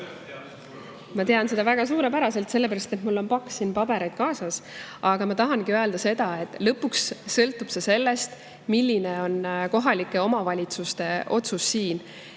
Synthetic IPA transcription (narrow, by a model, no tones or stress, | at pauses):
mɑt̪e̞ɑnse̞d̪ɑvæɡ̥ɑs̬uːɾe̞pæɾɑse̞lt̪se̞lːepæɾɑst̪e̞t̪mulːo̞npɑkːssiːnpɑbe̞ɾejd̪̥̚kɑːsɑs | ʔɑɡ̥ɑmɑt̪ɑɦɑnɡ̥iøe̞ld̪̥ɑse̞d̪̥ɑe̞t̪ːˑlɤpːuksːɤlt̪ːˑub̥sese̞lːe̞st̪ | milːine̞o̞nko̞ɦɑlikːˑe̞o̞mɑvɑlʲit̪sust̪e̞ʔo̞t̪susːiːn